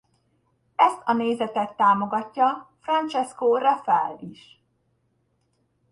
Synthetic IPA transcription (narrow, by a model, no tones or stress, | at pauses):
ɛst̪ʰɒneːzɛt̪ɛt̪ːaːmo̞ɡɒcːɒfrɒnt͡ʃɛskoːrɒfɛlːiʃ